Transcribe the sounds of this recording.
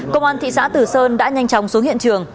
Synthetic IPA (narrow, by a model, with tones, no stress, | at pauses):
kə˧wŋ͡mʔaː˧nt̪ʰḭ˧˨sa̰ː˧˥t̪ɨ˨˩səː˧nɗa̰ː˧˥ɲa˧jŋt͡ɕɔ˨˦wŋ͡msu˨˦nhḭ˧˨ənt͡ɕɨ˨˩əŋ